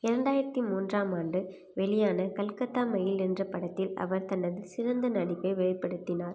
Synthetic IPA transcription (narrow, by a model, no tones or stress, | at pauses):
ɪɾɐɳɖaːjɪɾɐt̪ːimuːndraːmaːnɖɯ | ʋɛɭɪjaːnɐkɐlkɐt̪ːaːmɐjɪlɛndrɐpɐɽɐt̪ːɪlɐ̰ʋɐɾt̪ɐnːɐðɯsɪrɐnd̪ɐnɐɽɪpːeːʋɛɭɐɪpːɐɽɯt̪ːɪnaːɾ